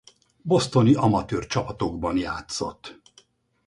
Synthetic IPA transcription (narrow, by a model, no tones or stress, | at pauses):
bo̞st̪o̞niɒmɒt̪øːrt͡ʃɒpɒt̪o̞ɡbɒnjaːt̪so̞̰t̪ː